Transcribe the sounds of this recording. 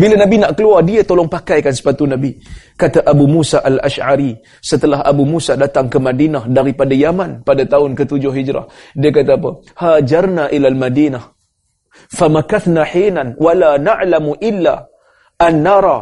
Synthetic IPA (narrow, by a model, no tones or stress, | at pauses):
bilanabinaʔkəluardiat̪olɔŋpakajkansə̥pat̪unabikat̪aʔabumusaʔala̰ʃʕaɾi | sət̪əlaɦa̰bumusadat̪aŋkəmadinahdaɾipadajamanpadat̪aʊnkət̪ud͡ʒʊhɦid͡ʒɾa̰hdiakat̪aːp̬ə | had͡ʒarnaʔilalmadiːnah | famakaθnaħinanwalanaʕlamuʔɪlːa | ʔanːaɾˤɑ